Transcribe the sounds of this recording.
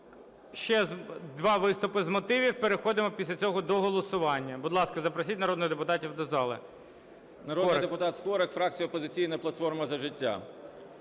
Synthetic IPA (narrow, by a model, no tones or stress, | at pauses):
ʃt͡ʃɛzd̪ʋɑʋɪst̪ʊpɪzmɔt̪ɪʋʲiwpeɾexɔd̪ɪmɔpʲisʲlʲɐt͡sʲɔɦɔd̪ɔɦɔlˠɔsʊʋɑnʲːɐbʊd̪lˠɑskɐzɐpɾɐsʲitʲnɐɾɔd̪nɪjd̪epʊt̪ɑtʲiwd̪ɔzɑlˠɪ̰ | nɐɾɔdɔɾid̪epʊt̪ɑt̪skɔɾɐkfɾɑk̚t͡sʲijʊɔpɔzɪt͡sʲijnɐplˠɐt̪fɔrmɐzɐʒɪtʲːa̰